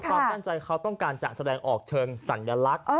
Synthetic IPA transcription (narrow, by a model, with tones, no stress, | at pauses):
kʰwaː˧mma˥˩nt͡ɕa˧jkʰa˦˥wt̪ɔ˥˩ŋkaː˧nt͡ɕa̰ː˨˩k̚sa˧dɛː˧ŋʔɔː˨˩k̚t͡ɕʰɤː˧ŋsa˩˦nja˧la˦˥k̚ʔ